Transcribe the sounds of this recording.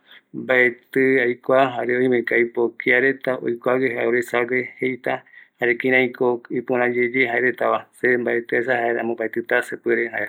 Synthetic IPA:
mbaet̪ɨajkʷaɦaɾeojmekajpokiaɾe̞t̪aʔo̰jkʷaɡeɦaoɾesaɡehejt̪ahaɾekĩɾãj̃koipũɾ̃ãd͡ʒed͡ʒeɦaeɾet̪aʋasembaet̪esahaeɾa̰mõbaet̪ɨt̪asepeɾehae

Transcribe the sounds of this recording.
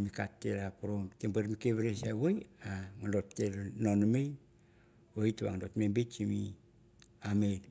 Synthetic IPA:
mikatːḛɾapuɾomtembaɾmikeβeɾesawojaŋandotːeɾnonomej | oituβa̰ŋandotmembet͡ʃimi | amen

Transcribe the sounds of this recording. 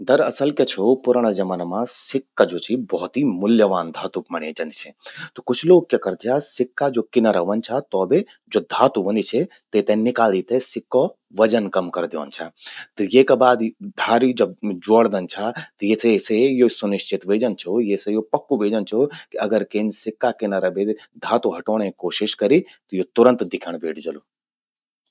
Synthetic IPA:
d̪ɐɾɐsəlket͡ʃʰopʊɾəɽ̃əd͡ʒɐmənmãsɪkːad͡ʒot͡ʃʰibɔɦt̪imʊljəʋaːnd̪ʱaːt̪upmɐɽed͡ʒɐnit͡ʃʰɛt̪ɔkʊt͡ʃʰloːɡ̚kekɐɾt̪ʰjasɪkːad͡ʒokinəɾɐɦʋɐnt͡ʃʰat̪ɔːbe | d͡ʒod̪ʱaːt̪uʋənit͡ʃʰɛ | t̪et̪ɛ̃nɪkaːld̪it̪esɪkːɔ | ʋɐd͡ʒənkɐmkɐɾd̪iʋə̰nt͡ʃʰat̪jekebaːd̪d̪ʱaːɾid͡ʒɐb̚d͡ʒoɽd̪ɐnt͡ʃʰat̪ɐjesesejosʊnɪʃt͡ʃɪt̪ʋeːd͡ʒɐnt͡ʃʰojesejopɐkːuʋeːd͡ʒənt͡ʃʰokiɐɡəɾkeːnsɪkːakɪnɐɾɐbed̪ʱaːt̪uɦɐʈoːɽ̃ẽkoːʃɪʃkɐɾit̪ojot̪ʊɾə̃nt̪d̪ɪkʰəɽ̃beːʈʰd͡ʒɐlu

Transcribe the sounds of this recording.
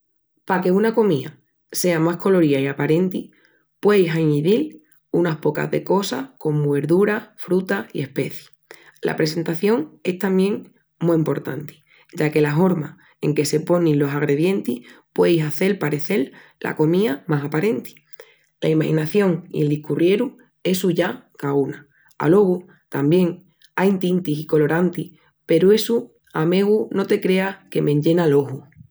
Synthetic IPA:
pake̞unako̞mia̰ | se̞amahko̞lo̞ɾiaiapaɾe̞nt̪i | pwejɦajmiðil | unapo̞ka̰ðe̞ko̞sahko̞muβe̞ɾðuɾafɾut̪aḭe̞hpe̞θji̥ | la̰pɾese̞nt̪aθjo̞ŋe̞st̪amjẽ̞ŋ | muimpo̞ɾt̪a̰nt̪i̥ | ɟ͡ʝake̞laɦo̞ɾma | e̞̰ŋke̞se̞po̞nĩnlo̞saɣ̞ɾe̞ðje̞nt̪ihpwe̞jsaθe̞lpaɾe̞θe̞llʔa̰ko̞miamasapaɾe̞nt̪i̥ | la̰imahinaθjo̞ŋḭe̞ld̪ihkurje̞ɾu | e̞suʝakauna | a̰lo̞ɣ̞u | t̪ambje̞ŋ | ajnt̪int̪isiko̞lo̞ɾant̪i | pe̞ɾue̞su | ame̞ɣ̞uno̞t̪e̞kɾe̞ake̞mẽɲɟe̞nalo̞ɦu

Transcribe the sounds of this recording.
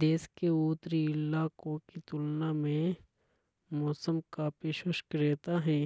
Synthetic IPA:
d̪eːskeuːt̪ɾiɪlːakokit̪ʊlnamẽ | mɔːsəmkapeːʃʊʃkɾeːt̪aɦɛ̃ː

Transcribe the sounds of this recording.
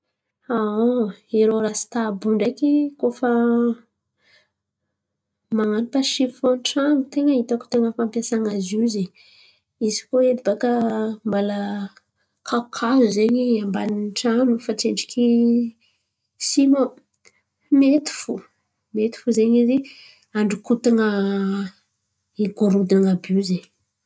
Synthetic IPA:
aoeɾoɾasi̥t̪abuɳɖ͡ʐakikofa | maŋanipaʃifõnʈ͡ʂanut̪eŋəit̪aku̥t̪eŋəfampjasaŋazuzi | izi̥koelibakəmbala | kʰakʰazuzeɲiambaniʈ͡ʂanufat͡seɳɖ͡ʐi̥kʰi | simo | met̪i̥fu | met̪i̥fuzeɲizi | aɳɖ͡ʐukut̪aŋə | iɡoɾud̪inaŋabizeɲ

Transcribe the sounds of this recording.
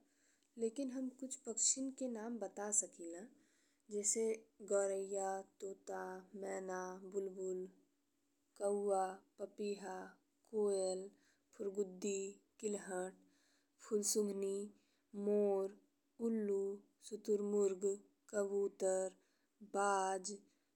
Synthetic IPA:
leːkɪnɦəmkʊt͡ʃʰpəkʃɪnkenaːmbət̪asəkʰila | d͡ʒɛːseɡɔːɾəjat̪oːt̪amɛːnabʊlbʊl | kəːapəpiːɦa | koːjəl | pʰʊɾɡʊd̪ːikɪlɦəʈ̚ | pʰʊlsʊ̃ŋɡʱni | moːɾ | ʊlːu | sʊt̪ʊɾmʊɾɡ | kəbuːt̪əɾ | baːd͡ʒ

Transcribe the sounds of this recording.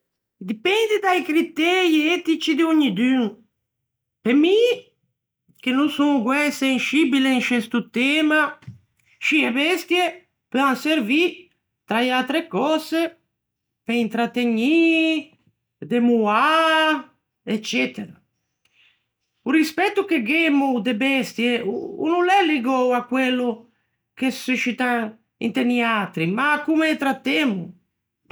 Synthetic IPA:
d̪ipɛnd̪id̪ajkɾit̪ɛɾiɛt̪it͡ʃid̪euɲid̪yŋ | pemi | k̟enũsũŋɡwɛsenʃibileŋʃɛst̪ut̪ɛma | ʃiebɛst̪je | pøaŋseɾvi | t̪ɾajalt̪ɾekɔse | peint̪ɾat̪ːeɲi | d̪emua | et͡ʃːɛt̪eɾa | urispɛt̪ːukeɡemud̪ebɛst̪jeṵnulɛlːiɡɔwakːwelːu | k̟esuʃit̪a | ḭnt̪eniat̪ɾimakumet̪ɾat̪ːemu

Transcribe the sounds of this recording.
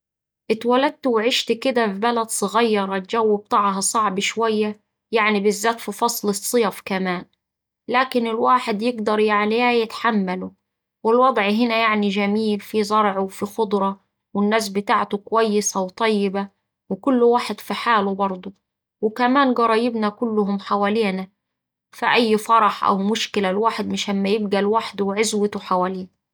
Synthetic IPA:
ʔɪt̪walad̪̚t̪ʊwʕɪʃt̪kɪd̪afibalæd̪sˤɨɣɑjːɑɾˤɑt̪̚d͡ʒawːɪb̚t̪aːʕɦɑsˤɑʕbʃwajːa | jaʕnibɪzːaːt̪fifɑsˤlɨsˤːɨjɑfkamaːn | laːkɪnɪlwaːħɪd̪jɪɡd̪ɑɾˤjaʕnijaːjɪt̪ħamːalʊ | wɪlwɑd̪ˤʕɦɪnajaʕniʒæmiːlfizˤɑɾˤʕuwfixʊd̪ˤɾˤɑ | wɪnːaːs̬bɪt̪aːʕt̪ʊkʊwajːɪsæwt̪ˤɑjːɪba | wɪkʊlːwaːħɪd̪fiħaːlubɑɾˤd̪ˤu | wɪkæmaːnɡɑɾˤɑːjɪbnakʊlːʊhʊmħawaːliːna | fiʔajːfɑɾˤɑħʔa̰wmʊʃkɪlalwaːħɪd̪mɪʃamːajɪbɡælwaħd̪ʊwʕɪzwɪt̪ʊħawaːliː

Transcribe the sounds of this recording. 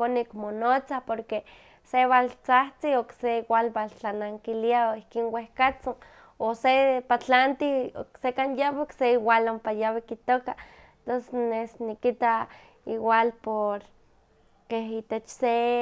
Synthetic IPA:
konikmonot͡sahpoɾke | seβalt͡saht͡siokseiwalbalt͡ɬanaŋkiliaoihkiːnwehkat͡son | osepat͡ɬant̪ioksekanjawikseiwalompajawikit̪oka | t̪onsenesnikit̪a | iwalpoɾ | keɦit̪et͡ʃse

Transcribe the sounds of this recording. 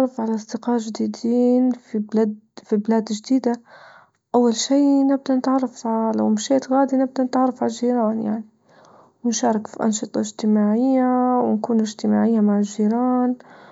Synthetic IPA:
rˤɑfʕalaʔsˤd̪ɪqɑːʒd̪iːd̪iːnfiblad̪fibɪlaːd̪d͡ʒd̪iːd̪a | ʔawːalʃiːnɪb̚d̪anɪt̪ʕɑrˤːɑfala̰wmʃeːt̪ɣaːd̪inɪb̚d̪anɪt̪ʕɑrˤɑfʕalʒiːɾɑːnja̰ʕni | wɪnʃɑːɾˤɑkfḭʔɑ̰nʃɨt̪ˤɑ̰ɪʒt̪ɪmaːʕɪjːawɪnkuːnɪʒt̪ɪma̰ːʕɪjːamaʕɪlʒiːɾɑːn

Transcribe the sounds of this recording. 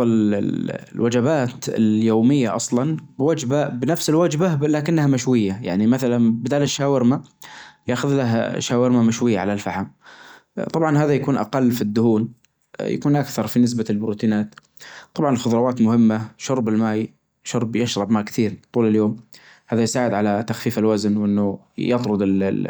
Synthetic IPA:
l | lwad͡ʒabaːt̪ɪ̰ljoːmɪjːaʔɑsˤlɑnbwad͡ʒbabnafsɪlwad͡ʒbalaːkɪnːahamaʃwɪjːaja̰ʕnimaθalanbɪd̪aːlɪʃːaːwɪɾmajaʔxʊðlaɦʃaːwɪɾmamaʃwɪjːaʕalalfaħam | t̪ˤɑbʕɑnɦaːðajakuːnʔa̰qɑlːfid̪ːʊhuːn | ja̰kuːnʔakθɑɾˤfinɪs̬balbɾuːt̪iːnaːt̪ | t̪ˤɑbʕɑnɪlxʊðˤɾˤɑwaːt̪mʊhɪmːaʃʊɾˤbɪlmaːj | ʃʊɾˤbjɪʃɾˤɑbmaːkθiːɾt̪ˤuːlɪljoːm | haːðajsaːʕɪd̪ʕalat̪axfiːfɪlwaznwʔɪnːʊ | jɑt̪ˤɾʊd̪ɪl

